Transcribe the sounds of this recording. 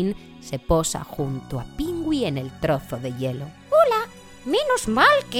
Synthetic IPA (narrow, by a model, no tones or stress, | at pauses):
n | seposa̰xunt̪oapiŋɡwienelt̪ɾoθoðeʎelo | ola | menozmalke